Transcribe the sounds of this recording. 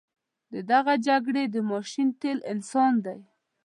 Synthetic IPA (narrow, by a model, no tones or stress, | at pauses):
d̪əd̪aɣad͡ʒaɡɽed̪əmɑʃint̪elɪnsɑnd̪aj